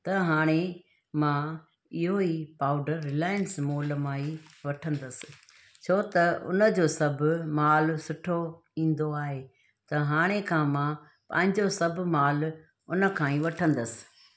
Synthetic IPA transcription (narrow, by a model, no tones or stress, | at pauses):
t̪ɐɦaːɽ̃e | mãː | ɪɦoipaːʊɖəɾːɪlaːjənsmoːlmãːiʋɐʈʰə̃nd̪əsɪ̥̆ | t͡ɕʰoːt̪ɐʊ̰nə̆d͡ʑoːsɐbʱmaːlsʊʈʰo | ĩːn̆d̪oaːɦe | t̪ɐɦaːɽ̃ekʰãːmã | pɐ̰̃ɦɪ̃ɲd͡ʑosɐb̆ʱmaːl | ʊnə̆kʰãːĩʋɐʈʰə̃nd̪əsɪ̥̆